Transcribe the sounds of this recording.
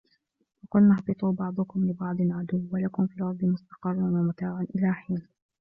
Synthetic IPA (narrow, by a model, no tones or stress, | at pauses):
fɑqʊlnaħbɨt̪ˤuːbɑʕd̪ˤʊkʊmlɪbɑʕd̪ˤɨnʕad̪ʊwːwalakʊmfiːlʕɑɾˤd̪ˤɪmʊst̪ɑ̥qɑrˤːanwamat̪aːʕʊnʔɪlaːħiːn